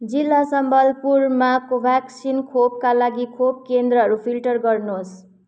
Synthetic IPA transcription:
d͡zilːasʌmbʱʌlpuɾmakobʱaksinkʰob̚kalaɡikʰop̚kend̪ɾəʌɦʌɾupʰilʈʌɾɡʌɾnos

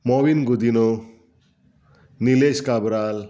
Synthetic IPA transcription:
mɔbinɡud̪ino | nileskabɾal

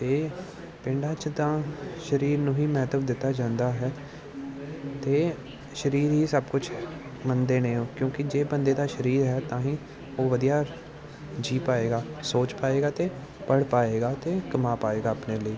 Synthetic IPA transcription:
t̪eː | pɪɳɖaːt͡ʃd̪ãːʃəɾiːɾnũːɦiːmɛːt̪əbd̪ɪt̪ːaːd͡ʒãːnd̪aːɦɛː | t̪eː | ʃəɾiːɾɦiːsəbkʊt͡ʃʰ | mənd̪eːnẽːõːkjõːkɪd͡ʒeːbənd̪eːd̪aːʃəɾiːɾɦɛːt̪ãːɦĩː | oːʋəd̪ijaː | d͡ʒiːpaːeːɡaːsoːt͡ʃpaːeːɡaːt̪eː | pəɽpaːeːɡaːt̪eːkəmaːpaːeːɡaːəpneːləiː

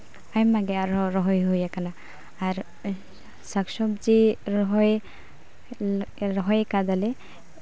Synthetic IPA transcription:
ajmaɡɛaɾɔɾɔɦɔjɦujakanaː | ɾ | saksɔbd͡ʒiɾɔɦɔj | ɾɔɦɔjkad̪ale

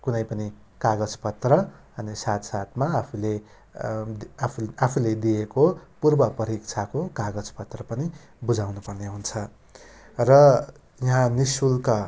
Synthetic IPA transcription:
kunʌjpʌni | kaɡʌd͡zpʌt̪rʌ | ʌnisat̪sat̪maːpʰule | apʰuled̪ijekopurbʌpʌɾikt͡sʰakokaɡʌd͡zpʌt̪rʌpʌni | bud͡zawnupʌrneɦunt͡sʰʌ | rʌ | jʌɦãnisulka

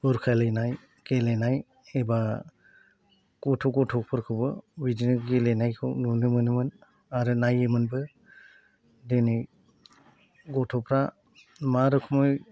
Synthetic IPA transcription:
uɾkʰajlajnaj | kelenaj | eba | kɔtʰɔɡɔtʰɔpʰɯɾkʰɯbɯwidinɯɡelenajkʰɯ̰nunɯmɯnɯmɯn | aɾɯnajɯmɯnbɯ | denɯj | ɡɔtʰɔpɾa | maɾɯkʰumɔj

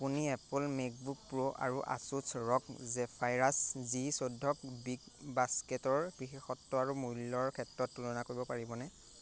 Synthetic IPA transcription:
apuniɛplmek̚buk̚pɹoʔa̰ɹuʔa̰susɹɔkzɛpʰajɹaszisodʱːɔk̚biɡ | basketɔɹb̥ɹixexɔtːɔaɹumujlːɔɹkʰɛtɹɔtːulɔnakoɹibɔpaɹibɔnɛ

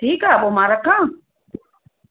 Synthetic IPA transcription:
ʈʰiːkaɓomaɾakːã

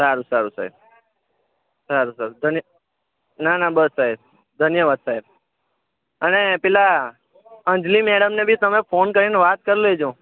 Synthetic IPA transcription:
saɾusaɾusa̰ɦḛb | saɾusaɾud̪ʱənjə | nanabəsːaɦeb | d̪ʱənjəʋad̪saeb̚ | ənepɛla | ə̃nd͡ʒlimeɽəmnebʱit̪əmefʰonkəɾineʋat̪̚kəɾiled͡ʒõ

